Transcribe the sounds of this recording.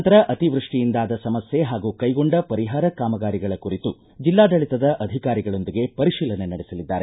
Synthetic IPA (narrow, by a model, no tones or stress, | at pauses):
nt̪ɐɾɐʔɐt̪iʋɾuʂʈijind̪aːd̪ɐsɐmɐsje̞ɦaːɡuːkɐjɡoɳɖɐpɐɾiɦaːɾɐkaːmɐɡaːɾiɡɐɭɐkuɾit̪u | d͡ʒilːaːd̪ɐɭit̪ɐd̪ɐʔɐd̪ʱikaːɾiɡɐɭo̞nd̪iɡe̞pɐɾiʃiːlɐnenɐɽesɐlid̪ːaːɾe